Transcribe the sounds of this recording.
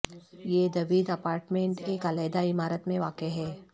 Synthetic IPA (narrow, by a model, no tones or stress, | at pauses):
jeːd̪ɐʋiːd̪ɐpaːɾʈmẽɳʈeːkalɛːd̪aɪmaːɾət̪mẽʋaːkeɦɛː